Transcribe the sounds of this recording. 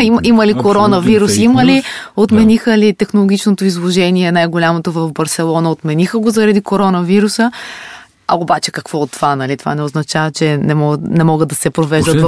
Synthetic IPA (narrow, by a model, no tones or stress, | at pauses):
imʔiməlikoɾɔnəviɾusiməliot̪mɛnixəlit̪ɛxnolˠoɡʲit͡ʃnot̪oizlˠoʒɛniɛnajɡolʲamot̪ovɐvbɐɾsɛlˠɔnəot̪mɛnixəɡozɐɾɐd̪ikoɾɔnəviɾusə | ɐ̰obat͡ʃɛ̥kɐkvɔot̪ːovanɐlit̪ova̰nɛoznɐt͡ʃavət͡ʃɛnɛmɔnɛmɔɡəd̪ɐsɛpɾovɛʒd̪ətt̪